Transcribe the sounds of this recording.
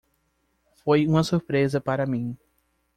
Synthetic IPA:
fojũmɐsuɾpɾezɐpaɾɐmĩ

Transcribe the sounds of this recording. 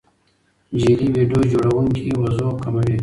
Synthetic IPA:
d͡ʒiliwiɖjod͡ʒoɽawuŋkʰiwɐzokamawi

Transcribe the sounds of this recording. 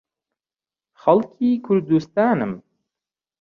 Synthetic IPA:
χalˠkikʰuɾd̪ust̪aːnɨm

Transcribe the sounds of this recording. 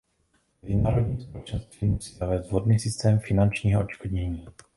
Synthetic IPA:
mɛzɪnaːɾodɲiːmspolɛt͡ʃɛnst̪viːmusiːzavɛːzd̪vɦodniːsɪst̪ɛːmfɪnant͡ʃɲiːɦoʔot͡ʃkodɲɛɲiː

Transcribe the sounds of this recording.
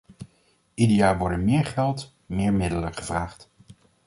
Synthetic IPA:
idijaːʋɔɹdənmɪːɹχɛlˠt | mɪːɹmɪdələχəv̥raːχt

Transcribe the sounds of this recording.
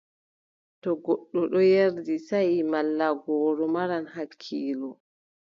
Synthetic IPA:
tɔɡɔɗːɔɗɔjeɾdisajimalːaɡɔːɾɔmaɾanhakʰːiːlɔ

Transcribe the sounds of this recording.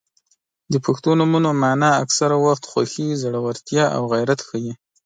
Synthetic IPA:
d̪əpʰaxt̪onumunomanɑaksaɾawaxt̪xwaxizaɽawaɾt̪jɑʔa̰wɣajɾat̪xəji

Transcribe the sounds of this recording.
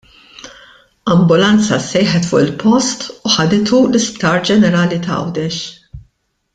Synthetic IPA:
ɐmbʊlɐnt͡sɐ̰sɛjħɛt̪fʊ̰ʔɪlpʰɔst̪uħɐd̪ɪt̪ulɪspt̪ɐːɾd͡ʒɛnɛɾɐːlit̪ɐɐ̰wd̪ɛʃ

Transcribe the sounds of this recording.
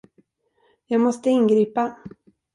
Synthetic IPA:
jɑːɡmɔst̪əɪnɡɾiːpa

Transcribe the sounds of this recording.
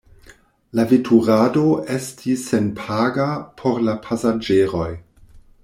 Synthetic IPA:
lavitʰuɾado̞e̞stʰisenpʰaɡapʰo̞ɾlapʰasad͡ʒeɾo̞j

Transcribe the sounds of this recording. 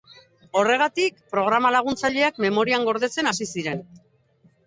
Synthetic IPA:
o̞re̞ɣ̞at̪ikpɾo̞ɣ̞ɾamalaɣ̞unt͡saʎe̞akme̞mo̞ɾiaŋɡo̞ɾðe̞t͡se̞nasisiɾe̞n

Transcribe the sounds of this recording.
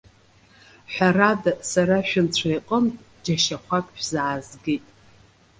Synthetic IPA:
ħʷᶣaradasaraʃᶣʊnt͡ɕʷʰajqʼəntʼ | d͡ʒaʃaχʷakʼʃʷᶣzaʕazɡitʼ

